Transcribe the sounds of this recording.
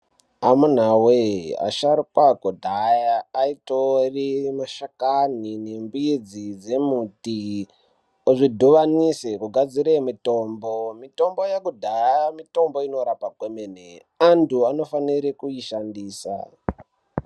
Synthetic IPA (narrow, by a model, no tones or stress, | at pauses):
amun̤awea̰ʃaɾikwakodʱajaːitorimaʃakan̤ine̞mbuid͡zid͡ze̞muti | oʐidʱuʋanisekuɡʱad͡ziɾemito̞ːmbomito̞mbo̞jakudʱaamito̞mbo̞ino̞ɾapaɡʱwemenḛ | antuano̞faniɾikuiʃandiːsa̰